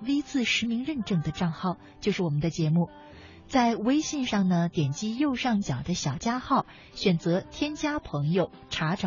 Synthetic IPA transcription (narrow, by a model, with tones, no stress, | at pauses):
wi˥t͡sɹ̩˥˩ʂɻ̩˧˥mi˧˥ŋɻə˥˧nʈ͡ʂɤ˥˩ŋd̪ə˩ʈ͡ʂɑ˥˧ŋxɑ˥˧ʊt͡ɕjo˥˧ʂɻ̩˥˩wɔ˨˩mə˦nd̪ə˧t͡ɕjɛ˧˥mu˥˩ | t͡sa˥˧ɪwe˥ɪɕi˥˧nʂɑ˥˩ŋnə˩t̪jɛ˨˩nt͡ɕi˥jo˥˧ʊʂɑ˥˩ŋt͡ɕjɑ˨˩ʊd̪ə˦ɕjɑ˨˩ʊt͡ɕja˥xɑ˥˩ʊ | ɕɥɛ˨˩nt͡sɤ˧˥t̪ʰjɛ˥nt͡ɕja˥pʰɤ˧˥ŋjo˧ʊʈ͡ʂʰa˧˥ʈ͡ʂɑ˨˩